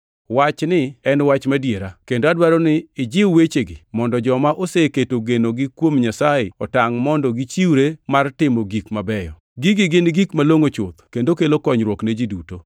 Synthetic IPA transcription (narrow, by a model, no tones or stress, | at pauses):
wat͡ʃnɪɛnwat͡ʃmadjeɾakendoadwaɾɔnɪːd͡ʒɪwwet͡ʃeɡɪ̰mɔndɔd͡ʒɔmaʔoseketoɡenoɡɪkwomɲasajɪɔtaŋmɔndɔɡit͡ʃiwɾemartɪmɔɡikmabɛjɔ̰ | ɡɪɡɪɡɪnɡikmaloŋot͡ʃʊt̪kendokelokɔɲɾwɔkned͡ʒiduto